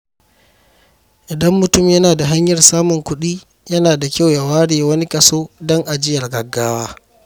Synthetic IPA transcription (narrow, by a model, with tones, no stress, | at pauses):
ʔɪ˨dɐ˦mːʊ˨tʊ˦mjɐ˦naː˨da˨ɦa˦ɲjɐ˨rsaː˦mʊ˨ŋkʷʊ˦ɗiː˦ | jɐ˦naː˨da˨kʲa˦wja˨waː˦ɽeː˨wɐ˦ni˦kʼɐ˨soː˦dɔ˦ŋʔa˨d͡ʒɪ˦jɐ˨rɡɐ˨ɡːaː˦waː˦